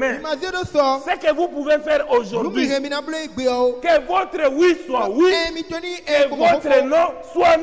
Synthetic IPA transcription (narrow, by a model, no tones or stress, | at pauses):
mɛ̃mãziedosɔsekevupuvefɛɾozodiĩɣemĩnãbleiɡ͡beɔwokevot̪ɾewuisũawimĩt͡ʃɔnĩevot̪ɾenɔ̃suan